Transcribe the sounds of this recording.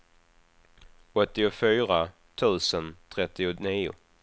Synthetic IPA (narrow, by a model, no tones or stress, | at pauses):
ɔt̪ːɪʊfyːɾa | t̪ʰʉ̟ːsənt̪ʰɾɛt̪ːɪʊniːʊ̰